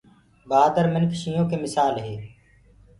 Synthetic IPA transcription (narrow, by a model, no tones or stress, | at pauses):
baːd̪əɾmɪnkʰʃiːõːkeːmɪsaːlɦeː